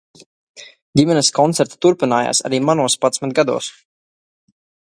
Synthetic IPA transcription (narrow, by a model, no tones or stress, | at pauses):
dʲimʲɛnɛskɔnt̪sɛɾt̪ḁt̪uɾpinaːja̰ːsa̰ɾiːmanuɔspat̪smɛt̪̚ɡad̪ṵɔːs